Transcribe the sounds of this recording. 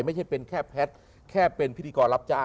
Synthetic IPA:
jma˥˩t͡ɕʰa˦˥˩pe˧nkʰɛː˥˩pʰɛ˦˥t̪̚ | kʰɛː˥˩pe˧npʰi˥t̪ʰiː˧kɔː˧nla˦˥p̚t͡ɕaː˥˩

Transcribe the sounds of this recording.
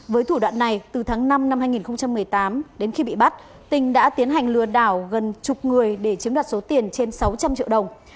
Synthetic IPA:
vəː˨˦jt̪ʰu˧˩ɗwa̰ː˧˨nːa˨˩jt̪ɨ˨˩t̪ʰaː˨˦ŋna˧mna˧mhaː˧jŋi˨˩nxə˧wŋ͡mt͡ɕa˧mːɨ˨˩əjt̪aː˨˦mɗe˨˦nxi˧ɓḭ˧˨ɓa˦˥t̚ | t̪ï˨˩ŋ̟ɗa̰ː˧˥t̪i˨˦ənɦa˨˩jŋ̟lɨ˨˩əɗaː˧˩wɣə˨˩nt͡ɕʊ˨˩k͡p̚ŋɨ˨˩əjɗe˧˩t͡ɕɨ˨˦ŋɗwaː˨˩t̚so˨˦t̪i˨˩ənt͡ɕe˧nsa˨˦wt͡ɕa˧mt͡ɕḭ˧˨wɗə˨˩wŋ͡m

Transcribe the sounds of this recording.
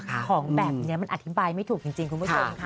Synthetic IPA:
kʰɔː˩˦ŋbɛ˨˩p̚ni˧˦˥ɐma˧nʔt̪ʰi˦˥baː˧jma˥˩jt̪ʰuː˨˩k̚t͡ɕi˧ŋt͡ɕi˧ŋkʰu˧npʰu˥˩o˧˩mkʰa˦˥

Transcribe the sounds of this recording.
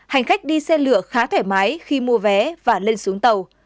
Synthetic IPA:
ha˨˩jŋ̟xa˦˥jk̟̚ɗi˧sɛ˧lɨ˧˩əxaː˨˦t̪ʰe˧˩ma˨˦jxi˧mu˧əvɛ˨˦vaː˨˩le˧nsu˨˦əŋt̪ə˨˩w

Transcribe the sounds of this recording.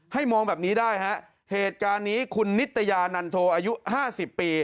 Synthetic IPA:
ha˥˩jmɔː˧ŋbɛː˨˩p̚niː˦˥daː˥˩jɦa˦˥ʔ | heː˨˩t̪̚kaː˧nːiː˦˥kʰu˧nːi˦˥t̪ʰːa˧jaː˧na˧nt̪ʰoː˧ʔaː˧ju˦˥haː˥˩si˨˩pːiː˧

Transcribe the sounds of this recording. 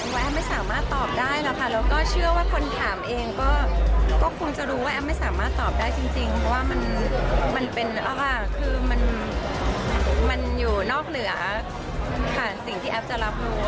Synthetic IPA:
aː˥˩ʔɛ˦˥ma˥˩jsaː˩˦maː˥˩t̪ːɔː˨˩p̚daː˥˩jlɛː˦˥wkʰa˦˥˩lɛː˦˥wkɔː˥˩t͡ɕʰɯ˥˩ɐwaː˥˩kʰo˧nt̪ʰaː˩˦mʔeː˧ŋkɔː˥˩kɔː˥˩kʰo˧ŋt͡ɕa˨˩ɾuː˦˥waː˥ʔɛː˦˥p̚ma˥˩jsaː˩˦maː˥˩t̪ːɔː˨˩p̚daː˥˩jt͡ɕi˧ŋt͡ɕi˧ŋpʰɔ˧waː˥˩ma˧nma˧npe˧nʔaː˧˩kʰɯː˧ma˧n | ma˧njuː˨˩nɔː˥˩k̚nɯ˩˦ɐ | kʰa˥˩si˨˩ŋt̪ʰiː˥˩ʔɛː˦˥p̚t͡ɕa˨˩la˦˥p̚ɾuː˦˥

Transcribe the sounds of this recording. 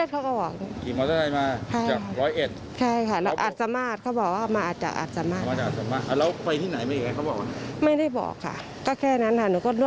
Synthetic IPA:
i˥˨t̚kʰa˦˥˩kɔː˥˩bɔː˨˩k̚nɛ˧˥kiː˨˩mɔː˧t̪a˧˥na˧jmaː˧t͡ɕʰa˥˩jt͡ɕaː˨˩ka˧ɾɔː˦˥jʔe˨˩t̪̚ | t͡ɕʰa˥˩jkʰa˥˩lɛː˦˥wʔa˨t̪̚sa˧maː˧˥˩t̪̚kʰa˧˩bɔː˨˩k̚waː˥˧˩maː˧aː˨˩t̪̚t͡ɕa̰˨˩k̚ʔa̰ː˨˩t̪̚sa˧maː˥˩˨maː˧˩a˨˩ʔa˨˩sa˧maː˥˩ʔa˧˩lɛ˦˥wpa˧jt̪ʰiː˥˩na˨˩˦jma˥˩j̚ːa˧˩a˦˥˩bɔː˨˩k̚wa˧ma˥˩jda˥˩jbɔ̰ː˨˩kʰːa̰˥˩ | kɔː˥˩kʰɛː˥˩na˦˥nt̪ʰaː˧˩˨nuː˧˦kʰo˧˩nu˧˥˨

